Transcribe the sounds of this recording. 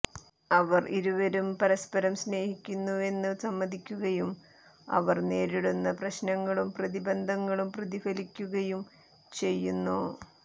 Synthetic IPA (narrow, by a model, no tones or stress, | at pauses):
ɐʋɐrʔiɾuʋɐɾumpɐɾɐspɐɾɐmsne̞ːhikʲːunːue̞nːɨsɐmːɐðʱikʲːuɣɐjum | ɐ̰ʋɐrne̞ːɾiɽunːɐprɐɕnɐŋːɐɭumprɐðibɐnd̪ʱɐŋːɐɭumprɐðifɐlikʲːuɣɐjum | t͡ɕe̞jːunːu